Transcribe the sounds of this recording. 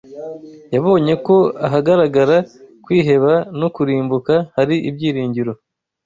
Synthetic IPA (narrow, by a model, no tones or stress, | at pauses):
jaβo̞ːɲe̞ko̞aɦaɡaɾaɡaɾakwiːɦe̞βanokuɾiːmbukahaɾiʔibɟiːɾiːɲɟiɾo̞